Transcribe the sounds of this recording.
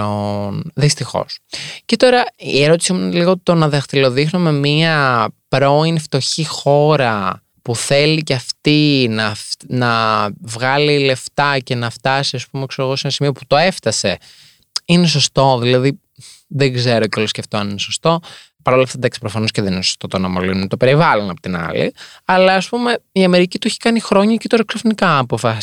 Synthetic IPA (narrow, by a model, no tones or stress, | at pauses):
onðist̪ixo̰sce̞t̪o̞ɾɐie̞ɾo̞t̪isiimuneliɣo̞t̪o̞nɐðɐxt̪ilo̞ðixnome̞miɐpɾo̞inft̪o̞çixo̞ɾɐ | puθe̞liceɐft̪inɐfnɐvɣɐlile̞ft̪ɐce̞nɐft̪ɐsiɐspumekseoɣosenɐsimio̞pu̥t̪o̞e̞ft̪ɐse̞ | ine̞s̬o̞st̪o̞ðilɐði | ðeɡze̞ɾoceolosceft̪oɐninesost̪o̞ | pɐɾo̞lɐft̪ɐt̪d̪ɐksi̥pɾofɐnosceðenineso̥st̪o̞t̪onɐmo̰linunt̪ope̞ɾivɐlonɐpot̪inɐ̰lḭɐlɐːspume̞iɐme̞ɾicit̪ueçi̥kɐnixɾo̞ɲɐcit̪oɾoksɐfnikɐɐpofɐsi̥